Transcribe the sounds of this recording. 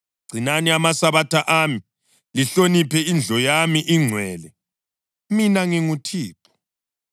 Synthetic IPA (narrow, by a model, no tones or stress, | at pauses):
ɡ͡ǀ̥ʱinaniamasaβatʰaʔami | liɬonipʰɛind͡ɮʱɔjamiʔiŋ͡ǀʱwɛːlɛ | minaŋiŋutʰiːpʰʼu̥